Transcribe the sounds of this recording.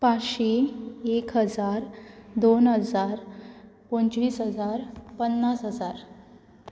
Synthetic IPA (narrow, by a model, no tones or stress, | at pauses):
paɕiekɦəd͡zaɾd̪onɦəd͡zaɾpont͡ɕʋiːsɦəd͡zaɾpənːasɦəd͡zaɾ